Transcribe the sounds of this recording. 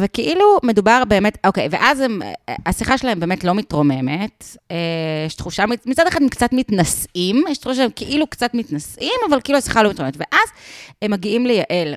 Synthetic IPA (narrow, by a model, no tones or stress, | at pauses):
vekeʔilume̞dubaʁbe̞eːmetokejvḛʔazem̰asiχaʃelahembeːmetlo̞mitʁo̞me̞metejɛʃt̪χuʃamimit͡sad̪eχademkt͡sat̪mit̪nasʔimjɛʃt̪ʁuʃaʃeemkeʔilukt͡sat̪mitnasʔimavalkeʔiluasi̥χalo̞mitʁoemetve̞ʔazemːaɡiimlejaʔe̞l